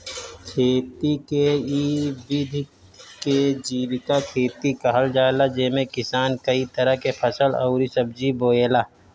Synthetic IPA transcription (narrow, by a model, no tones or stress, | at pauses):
kʰeːt̪ikeiʋɪd̪ʱ | ked͡ʒiːʋɪkakʰeːt̪ikɐɦəld͡ʒaːlad͡ʒemẽkɪsaːnkɐit̪ɐɾəkepʰɐsəlɐ̰ːɾisɐbd͡ʒiboːeːlaː